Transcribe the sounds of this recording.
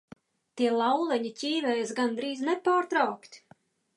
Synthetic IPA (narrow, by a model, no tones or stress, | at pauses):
t̪iɛlˠawlˠɛɲicʲiːvɛːjsɡand̪ɾiːznɛpaːɾt̪ɾawkt̪ʲ